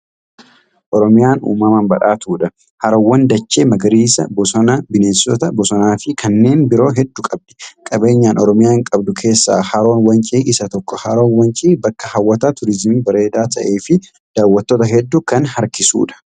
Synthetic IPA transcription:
ʔɔɾɔmɪjaːnṵːmɐmɐmbɐᶑaːt̪uːᶑɐ | hɐɾɐwːɐnd̪ɐt͡ʃːeːmɐɡɐɾiːsɐbɔsɔnɐbɪneːsɔt̪ɐbɔsɔnaːfɪkʰɐnːe̞ːnbɪɾo̞ːɦɛd̪ːʊkʼɐb̚ᶑɛ̥kʼɐbe̞ːɲːaːnʔɔɾɔmɪjaːɪŋkʼɐbd̪ʊkʰe̞ːsːa̰ːhɐɾo̞ːnwɐnt͡ʃʼiːʔɪsɐt̪ɔkːɔhɐɾo̞ːnwɐnt͡ʃʼiːbɐkːɐhɐwːɐt̪aːt̪ʊɾɪzmiːbɐɾe̞ːd̪aːt̪ʰɐʔe̞ːfɪ | d̪̥aːwːɐt̪ːoːt̪ɐɦɛd̪ːukɐnhɐɾkɪsṵːᶑɐ̥

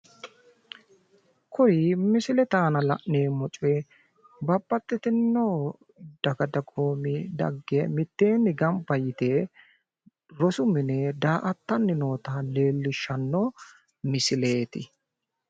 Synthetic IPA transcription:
kɔɾimɪsɪlɛt̪aːnɐlɐ̰ʔneːmɔt͡ʃʼɛ | bɐbːɐt̪ːɪt̪ɪnːoː | d̪̥ɐɡɐd̪ɐɡoːmɪd̪ɐ̰ɡːemɪt̪ːe̞ːnːɪɡɐmbɐjɪt̪eː | ɾɔsʊmɪned̪aːʔɐt̪ːɐnːɪnoːt̪ɐleːlːɪʃːɐnːo | mɪsɪleːt̪ɪ

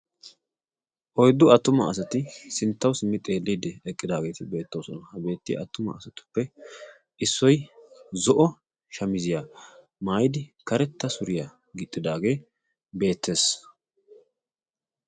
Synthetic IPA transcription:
ʔɔjd̪ːʊɐt̪ːʊmɐ̰ɐsɐt̪ɪsɪnt̪ːɐwsɪmːɪt̪ʼe̞ːlːiːd̪ɛɛkʼːɪd̪aːɡe̞ːt̪ɪbe̞ːt̪ːowsɔnɐhɐbe̞ːt̪ːɪ̰ɐt̪ːʊmɐ̰ːsɐt̪ʊ̥pːɛ | ʔɪsːɔjzɔʔɔ | ʃɐmɪzɪjaː | maːjd̪ɪkɐɾɛt̪ːɐsʊɾɪja | ɡɪt̪ʼːɪd̪aːɡe̞ː | be̞ːt̪ʰːe̞ːs

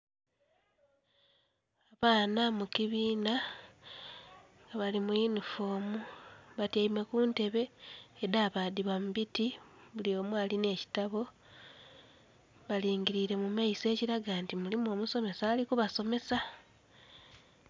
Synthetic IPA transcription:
aβaːnamukiβiːna | ŋɡaβalimuinufo̞ːmuβatjaime̞kuːnte̞βe̞ːdaβadiβamuβitiβuljo̞ːmualine̞ci̥taβo̞ | βaliːŋɡiɾiɾe̞mumaise̞ːciɾaɡaːntimulimo̞ːmuso̞me̞saːlikuβaso̞me̞sa

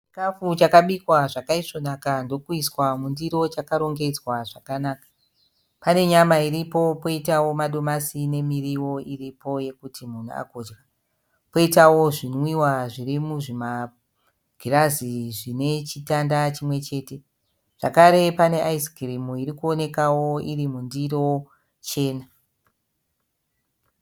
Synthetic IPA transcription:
t͡ʃt͡ʃi̥kafut͡ʃakaɓikwaʐakaiʂo̞nakando̞kuiswamundiɾo̞t͡ʃakaɾo̞ŋɡe̞d͡zwaʐakanaːkḁ | pane̞ɲamaiɾipo̞po̞itawo̞maɗo̞masine̞miriwo̞iripo̞je̞kutʰimunṵa̰koːd͡ʒra | po̞itawo̞ʐinwiwaʐirimuʐima | ɡ̥ʱiraziʐine̞t͡ʃitandat͡ʃimwe̞t͡ʃe̞ːte̞ | ʐ̥akaɾe̞pane̞ʔaisɡʱirimuirikuo̞ne̞kawo̞irimundiro | t͡ʃe̞ːna

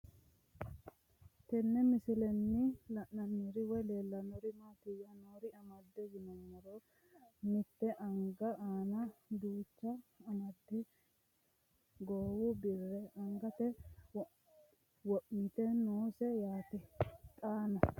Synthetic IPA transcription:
t̪ɛnːɛmɪsɪlɛnːɪlɐnnɐnːiɾɪwɔjleːlːɐnɔɾɪmaːt̪ɪjɐnoɾɪɐmɐd̪ːɛjɪnɐnːɔɾo | mɪt̪ːɛʔɐŋɡɐʔaːnɐd̪uːt͡ʃːɐːmɐd̪ːɪ | ɡoːwʊbɪrːɛɐŋɡɐt̪ɛ | wɔʔmɪt̪ɛnoːsɛjaːt̪ɪt̪ʼaːnɐ

